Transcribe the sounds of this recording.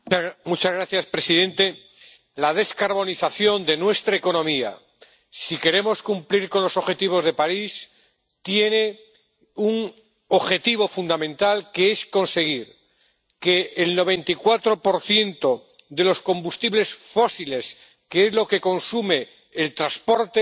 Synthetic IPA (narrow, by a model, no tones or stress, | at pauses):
mut͡ʃazɣɾaθjaspɾe̞siðẽ̞nt̪e̞ | laðe̞skaɾβ̞o̞niθaθjo̞nd̪e̞nwe̞st̪ɾaeko̞nõ̞mia̰ | sike̞ɾe̞mo̞skumpliɾkonlo̞so̞xe̞t̪iβ̞o̞zð̞e̞paɾis | t̪je̞ne | uŋ | o̞xe̞t̪iβ̞o̞fund̪amẽ̞nt̪alkeesko̞nse̞ɣ̞iɾ | ke̞ːlno̞β̞e̞nt̪ikwat̪ɾo̞po̞ɾθje̞nt̪o̞ | ðe̞lo̞sko̞mbust̪iβle̞sfo̞sile̞s | keezlo̞ke̞ko̞nsume̞ː | lt̪ɾaspo̞ɾt̪e